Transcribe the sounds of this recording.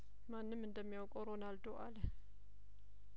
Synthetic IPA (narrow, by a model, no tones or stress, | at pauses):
manːɨmɨnd̪əmːijawkʼoɾonald̪əwʔalə